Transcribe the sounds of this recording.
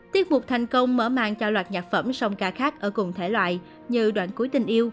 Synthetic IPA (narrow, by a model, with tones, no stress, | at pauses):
t̪i˦˥ət̚mʊ˨˩k͡p̚t̪ʰa˨˩jŋ̟kə˧wŋ͡mməː˧˩ma̰ː˧˨ŋt͡ɕɔ˧lwaː˨˩t̚ɲaː˨˩k̚fə˧˩msɔ˧wŋ͡mkaː˧˩xaː˦˥k̚ʔəː˧˩kʊ˨˩ŋ͡mt̪ʰe˧˩lwa̰ː˧˨j | ɲɨ˧ɗwa̰ː˧˨nku˨˦əjt̪ï˨˩ŋ̟ʔi˧əw